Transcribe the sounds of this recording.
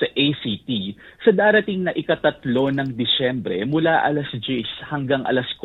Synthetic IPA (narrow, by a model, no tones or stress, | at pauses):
sɐʔejsit̪isɐd̪aːɾɐt̪iŋnɐʔɪkɐt̪ɐt̪lo̞nɐŋd̪ɪsɛmbɾɛmʊlaʔɐ̰lɐsd͡ʒishɐŋɡaŋʔɐ̰lɐsk